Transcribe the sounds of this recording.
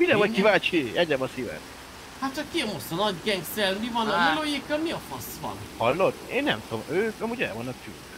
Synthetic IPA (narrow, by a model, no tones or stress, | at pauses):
miɾɛɒckivaːt͡ʃiɛɟɾɛbɒsivɛ̰n | hat̪t͡ʃɒkːiɛmosɒnɒɟɡɛŋɡsɛlmivɒnɒmilojekːɒlmiɒfɒsʋɒ̰nhɒlːot̪ːḛːnːɛ̰mt̪omøːkɒmuːɟɛ̰lvonːɒkfy̰ːl